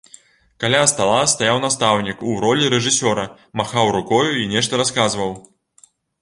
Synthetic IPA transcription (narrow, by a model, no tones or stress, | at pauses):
kalʲast̪alˠast̪ajawnast̪awnʲikuɾɔlʲiɾɛʐɨsʲɔɾɐ | maxawɾukɔjuinʲɛʂt̪ɐɾaskazvɐw